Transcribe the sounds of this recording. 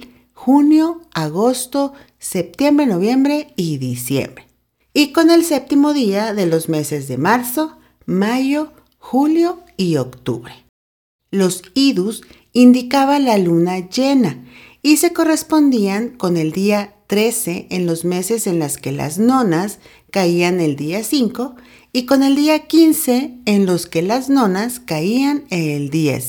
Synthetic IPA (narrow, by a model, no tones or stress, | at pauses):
xunjo̞aɣo̞st̪o̞ | se̞p̚t̪je̞mbɾeno̞βje̞mbɾe̞iðisjḛmbɾe | iko̞ne̞lse̞p̚t̪imo̞ðiaðe̞lo̞zme̞se̞zðe̞maɾso̞ | maʝo̞ | xuljo̞iokt̪ṵβɾe | lo̞siðus | ind̪ikaβanlalunaʝe̞naise̞ko̞re̞spo̞nd̪iaŋko̞ne̞ld̪iat̪ɾe̞seʔenlo̞zme̞se̞se̞nlaske̞la̰zno̞nas | kaiane̞ld̪iasiŋko̞ | iko̞ne̞ld̪iakinse̞ːnlo̞ske̞lazno̞naskaianeld̪je̞̰s